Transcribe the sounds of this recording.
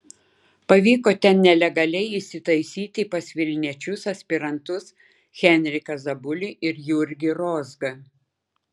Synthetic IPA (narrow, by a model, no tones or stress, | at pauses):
pɐʋʲiːkoːt̪ʲɛnnʲɛlʲɛɡɐlʲɛɪɪsʲɪt̪ɐɪsʲiːt̪ʲɪpɐsʲʋʲɪlʲnʲiɛt͡ʃʲʊsɐsʲpʲɪɾɐnt̪ʊs | xʲɛnʲɾʲɪkɐzɐbʊlʲɪʔɪɾjʊɾʲɡʲɪɾɔzɡɐ